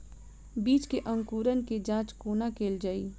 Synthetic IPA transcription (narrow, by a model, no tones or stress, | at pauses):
biːt͡ʃkeʔə̃ŋkuːɾənked͡ʒãːt͡ʃkoːnakeːld͡ʒaːiː